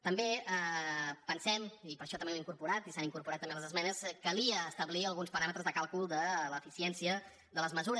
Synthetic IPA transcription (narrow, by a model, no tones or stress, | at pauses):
t̪əmbeəpənsɛmipəɾʃɔt̪əmbeliŋkuɾpuɾat̪isaniŋkuɾpuɾat̪ːəmbeləzəzmɛnəskəliəːst̪əβliəlˠɣunspəɾamət̪ɾəzðəkalˠkulˠd̪ələfisiɛnsiə | ðələzməzuɾə